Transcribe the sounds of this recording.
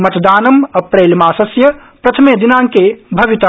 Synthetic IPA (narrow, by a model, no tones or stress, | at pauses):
mɐt̪d̪aːnəmɐpɾeːlmaːsəsjəpɾɐt̪ʰəmed̪inaŋkebʱɐʋit̪a